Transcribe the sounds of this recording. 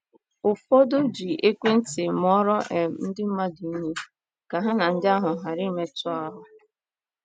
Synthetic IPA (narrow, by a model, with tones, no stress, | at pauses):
ʊ˨fɔ˦do˦d͡ʒi˨ʔe˦kʷe˦n̩˦tɪ˨m˦ɔ˦ɾɔ˦ʔɛ˨n̩˦dɪ˦m̩˦ma˦di˨˦ɲe˦ | ka˨ɦa˦na˨n̩˦dɪ˦a˦ɦʊ˨ɦa˨ɾi˦me˦tʊ˦ɔ˦ɾɔ˦